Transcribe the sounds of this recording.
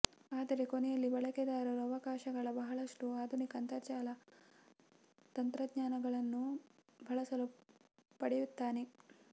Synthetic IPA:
aːd̪ɐɾeko̞nɛjɐlːibɐɭɐkɛd̪aːɾɐɾuɐʋɐkaːʃɐɡɐɭɐbɐɦɐɭɐʂʈuaːd̪ʱunikɐnt̪ɐt͡ʃaːlɐ | t̪ɐnt̪ɾɐd̪ɲaːnɐɡɐɭɐnːubʱɐɭɐsɐlupɐɽejut̪ːaːne

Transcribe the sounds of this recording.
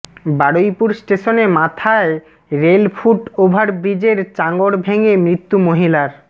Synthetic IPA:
baɽojpuɾsʈeʃonemat̪ʰae | ɾelfʰuʈobʱaɾbɾid͡ʑeɾt͡ɕaŋɡoɽbʱeŋemɾit̪ːumoɦilaɾ

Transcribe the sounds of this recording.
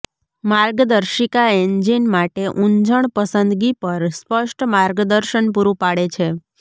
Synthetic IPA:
maɾɡəd̪əɾʃikaeɲd͡ʒinmaʈeʔuɲd͡ʒəɳ̃pəsənd̪ɡipəɾspəʃʈʰmaɾɡəd̪əɾʃənpuɾũpaɽet͡ʃʰe

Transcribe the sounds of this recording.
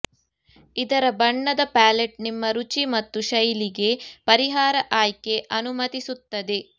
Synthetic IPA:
id̪ɐɾɐbɐɳːɐd̪ɐpaːleʈ̚nimːɐɾut͡ʃimɐt̪ːuʃɐjliɡe̞pɐɾiɦaːɾɐʔaːjke̞ʔɐnumɐt̪isut̪ːɐd̪e̞

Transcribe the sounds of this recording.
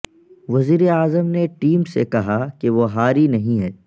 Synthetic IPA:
ʋɐziːɾeaːzəmneʈiːmsekɐɦakeʋoɦaːɾinɐɦĩɦɛː

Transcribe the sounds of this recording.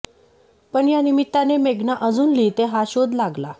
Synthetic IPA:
pəɳjanimit̪ːanemeɡnaʔəd͡zuːnliːt̪eɦaɕod̪laɡla

